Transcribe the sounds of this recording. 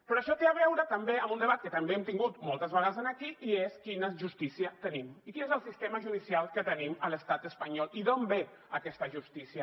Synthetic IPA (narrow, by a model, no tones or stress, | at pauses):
pɾɔəʃɔt̪eaβɛwɾət̪əmbeəmund̪əβat̪̚kət̪əmbeɛmt̪iŋɡut̪mɔlˠt̪əzβəɣaðəzənəkiʔieskinəʒust̪isiət̪ənimikinezəlˠsist̪eməʒuðisialˠkət̪ənimələst̪at̪əspəɲɔliðombe | əkɛst̪əʒust̪isiə